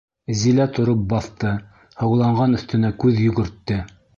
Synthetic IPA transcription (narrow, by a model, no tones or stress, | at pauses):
zilæt̪ʰŏɾop̚bɑθt̪ɤ | hɤ̆wlˠɑɴʁɑnɵ̆θt̪ɘ̆nækʉðjɵ̆ɡɵ̆ɾt̪ːɘ